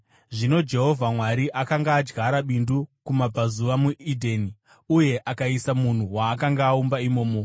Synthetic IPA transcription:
ʐino̞d͡ʒe̞ɦo̞vʱamwaɾiʔakaŋɡaːd͡ʒɡaɾaɓindukumab͡vazuʋamuidʱeːni | uje̞ʔakaisamun̤uwaːkaŋɡaːumbaimo̞ːmo

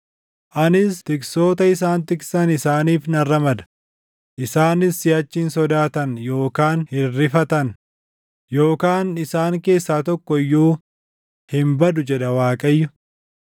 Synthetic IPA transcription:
ʔɐnɪst̪ɪksoːt̪ɐɪs̬aːnt̪ɪksɐnɪsaːniːfnɐrːɐmɐd̪ɐ̥ | ʔɪsaːnɪsːɪɐt͡ʃːɪnsɔd̪aːt̪ɐnjo̞ːkaːnhɪrːɪfɐt̪ɐn | jo̞ːkaːnɪsaːŋke̞ːsːaːt̪ɔkːɔɪjːuː | hɪmbɐd̪ʊd͡ʒɛᶑɐwaːkʼɐjːʊ

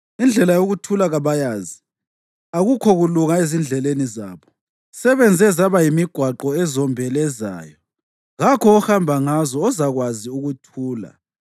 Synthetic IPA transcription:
ind͡ɮʱɛlajoɣutʰulaɣaβajaːzi | aɣukʰɔɣuluŋaezind͡ɮʱɛleniza̰ːβɔ | sɛβɛnd͡zʱɛzaβajimiɡ̥ʱwaǃɔɛzɔmbʱɛlɛza̰ːjɔ | ɣakʰɔːhambʱaŋazɔːzaɣwaziuɣutʰuːla̰

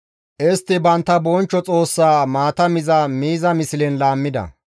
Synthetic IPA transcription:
ʔɪst̪ːɪbɐnt̪ːɐbɔnt͡ʃːɔt͡sʼo̞ːsːaːmaːt̪ɐmɪzɐmiːzɐmɪsɪlɛnlaːmːɪd̪ɐ̰

